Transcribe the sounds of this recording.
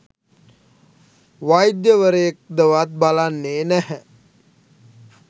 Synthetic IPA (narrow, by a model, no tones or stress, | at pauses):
ʋajd̪jəʋəɾəjek̚d̪əʋat̪̚balanːeːnæhɛ